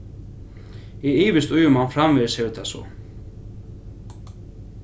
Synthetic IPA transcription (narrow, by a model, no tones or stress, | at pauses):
iiːvɪst̪uːjʏmawnfɾamvɪðɪ̥sejʏt̪ʰasɔ̰